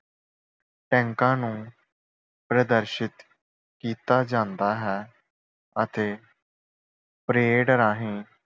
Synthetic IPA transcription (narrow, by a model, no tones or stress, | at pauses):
ʈɛ̃ːŋkãːnũː | pɾəd̪əɾʃɪt̪ | kiːt̪aːd͡ʒãːnd̪aːɦɛː | ət̪eː | pɾeːɖəɾaːɦĩː